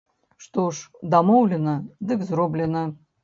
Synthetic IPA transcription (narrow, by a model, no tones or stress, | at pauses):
ʂt̪oʂd̪amɔwlʲɪnɐd̪ɨkzrɔblʲɛnɐ